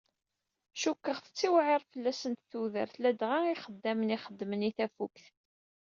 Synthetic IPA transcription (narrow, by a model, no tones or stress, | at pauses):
ʃukːəʁθə̥t͡sːiwʕɪʁˤfəlːæsənt̪θuðə̰ɾθlæd̪ʁaiχəd̪ːæməniχəd̪ːməniθæfukθ